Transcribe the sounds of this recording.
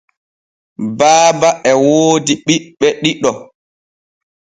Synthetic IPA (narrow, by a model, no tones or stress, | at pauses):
baːbaʔɛwoːdiɓiɓɛɗiɗɔ